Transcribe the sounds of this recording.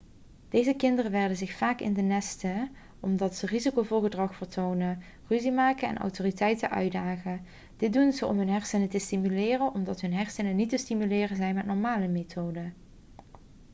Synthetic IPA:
d̥ejzəkɪndərəʋɪɹdənzɪxfaːkɪ̰ndənɛstə | ɔmdɑtsərizikowvʊːɹɣədrɑχfəɹtʰownə | ryzimaːkənɛ̰nʔɑ̰wtoːritɛjtəʔœ̰ɥdaːχə | d̥ɪt̚dunzəʔɔ̰mɦɵnɦɛɹsənətəstimylɪːrənʔɔmdɑtɦɵnɦɛɹsənənitəstimylɪːrənzɛjnmɛtnɔɹmaːləmetʰoːdə

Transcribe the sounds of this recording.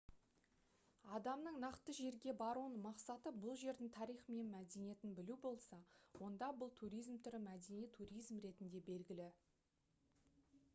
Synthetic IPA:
ɑd̪ɑmnəɴnɑqt̪əʒe̞ɾɡʲe̞bɑɾuənmɑqsɑt̪əbʊlˠʒe̞ɾd̪ɪŋt̪ʰɑɾijχme̞nmæd̪e̞nije̞t̪ɪnbɪlubo̞lˠsɑwo̞nd̪ɑbʊlˠt̪ʰuɾijzmt̪ʰʏɾɪmæd̪e̞nijt̪ʰuɾijzmɾe̞t̪ɪnd̪e̞be̞lɡʲɪlɪ

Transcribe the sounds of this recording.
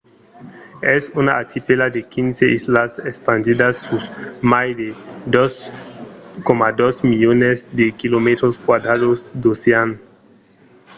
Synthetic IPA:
ɛsunaat̪ʰipelad̪ekʰinseʔislasespand̪id̪asːusmajd̪ed̪os | komad̪osmiʎonesd̪ekilomet̪ɾoskwad̪ɾadosd̪osean

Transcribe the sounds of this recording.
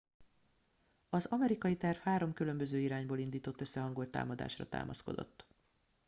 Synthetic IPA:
ɒzɒmɛɾikɒjit̪ɛrfhaːɾo̞mkylø̞mbø̞zøːiɾaːɲboːlind̪iːt̪o̞t̪ːø̞sːɛɦɒŋɡo̞lt̪ːa̰ːmɒd̪a̰ːʃrɒ̰t̪a̰ːmʔɒ̰sko̞d̪o̞̰t̪ː

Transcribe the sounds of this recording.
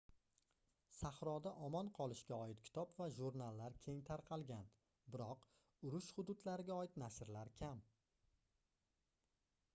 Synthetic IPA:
sahɾɒd̪aʔɒmɒnqʰɒlˠɪʃkʲaɒɪt̪kʲʰɪ̥t̪ʰɒpvaʒuɾnalˠːaɾkʲʰe̞ŋt̪ʰaɾqʰɑlˠɡʲan | bɪɾɒq | ʊɾʊʃhʊd̪ʊd̪laɾɪɡʲaɒɪt̪nasɪɾlaɾkʲʰam

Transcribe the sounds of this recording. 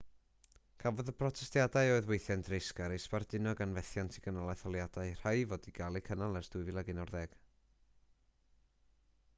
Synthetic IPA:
kʰavɔðəpʰrɔtʰɛstjadaɨoɨðwejθjandrɪskaɾejspardɪnɔɡanvɛθjantʰiɡənɔlˠajθɔlˠjadaɨr̥ajvɔːdiɡalˠikʰənalˠɛsd̥uɨvɪlˠəɡɪnɔrðɛɡ̥

